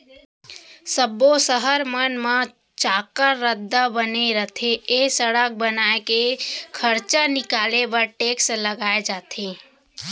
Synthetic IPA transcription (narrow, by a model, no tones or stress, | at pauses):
səbosəɦəɾmənmã | t͡ʃaːkəɾːəd̪ʱːabəneɾət̪ʰeesəɽək̚bənaːekekʰəɾt͡ʃanɪkaːlebəɾʈeːksləɡaːed͡ʒaːt̪ʰeː